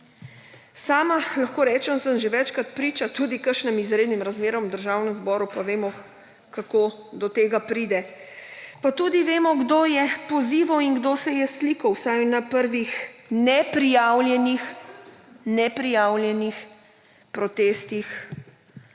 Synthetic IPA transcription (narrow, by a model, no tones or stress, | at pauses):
saːmalaxkoːɾɛːt͡ʃɛnsəmʒeʋɛt͡ʃkɾat̪̚pɾiːt͡ʃat̪uːd̪ikəɾʃnɛmizɾeːd̪nimɾazmeːɾɔmd̪əɾʒaːwnɛmzbɔːɾupaʋeːmɔ | kakoː | d̪ɔt̪eːɡapɾiːd̪ɛ | pat̪uːd̪iʋeːmɔɡd̪oːjɛpɔziːʋawiŋɡd̪oːsɛjɛsliːkɔwsajnapəɾʋixnɛpɾijawljɛnix | nɛpɾijaːwljɛnix | pɾɔt̪eːst̪ix